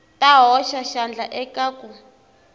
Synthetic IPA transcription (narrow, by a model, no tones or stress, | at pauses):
tʼaɦɔʃaʃand͡ɮʱaʔɛkʼaku